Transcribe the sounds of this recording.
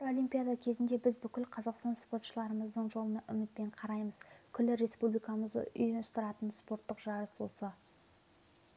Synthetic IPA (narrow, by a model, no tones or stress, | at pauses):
ɾo̞lʲijmpʲijad̪akʲʰe̞zɪnd̪e̞bɪzbʏkʲɪlqʰɑzɑqst̪ɑnspo̞ɾt̪ʃəlˠɑɾəməzd̪əɴʒolˠənɑʔʏmɪt̪̚pe̞ɴqʰɑɾɑjməz̥kʲʰʏlːɪɾe̞spublijkɑməzd̪ə̰ʔʏ̰jɪnʊst̪əɾɑt̪ənspo̞ɾt̪ːəqʒɑɾəswo̞sə